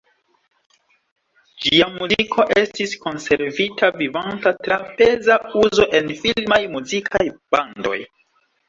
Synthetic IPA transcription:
d͡ʒiamuzikʰo̞ʔe̞stisko̞nse̞ɾvitavivantatɾape̞zauzo̞ʔe̞nfilmajmuzikʰajb̥ando̞̰j

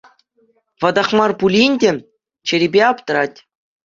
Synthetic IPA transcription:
ʋɑd̪ɑχmɑrpulʲinʲdʲɘ̆ | t͡ɕɘ̆ɾʲibʲeɑpt̪ɤ̆ɾɑtʲ

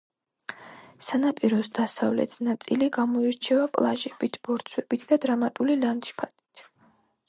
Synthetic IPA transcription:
sanapʼiɾɔsd̪asavlɛ̰t̪ʰnat̪sʼiliɡamɔiɾt͡ʃʰɛvapʼlˠaʒɛbit̪ʰb̥ɔɾt̪sʰwɛbit̪ʰd̪ad̪ɾamat̪ʼulilant̪ʃpʰat̪ʼi̥t̪ʰ

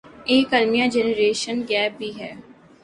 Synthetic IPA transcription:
eːkəlmijãːd͡ʒɛnəɾeːʃənɡɛːp̚bʱiːɦɛː

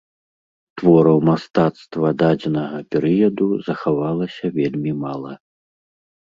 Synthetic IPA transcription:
t̪vɔɾɐwmast̪at̪st̪vɐd̪ad͡zʲɛnɐɣɐpʲɛɾɨjɐd̪uzɐxavalˠɐsʲɐvʲelʲmʲimalˠɐ

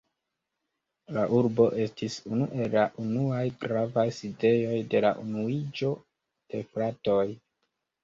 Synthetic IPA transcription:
laʔuɾbo̞ʔe̞stisunuʔe̞lːaʔunuajɡɾavajside̞jo̞jde̞laʔunuid͡ʒo̞ | d̥e̞fɾato̞j

